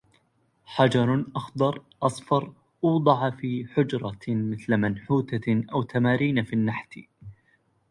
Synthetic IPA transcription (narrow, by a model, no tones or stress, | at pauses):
ħad͡ʒɑɾˤʔɑxd̪ˤɑɾˤʔɑsˤfɑɾˤ | ʔuːd̪ˤɑʕafiːħʊd͡ʒɾˤɑmɪθlamanħuːt̪aʔawt̪amaːɾiːnfinːaħt̪ḭ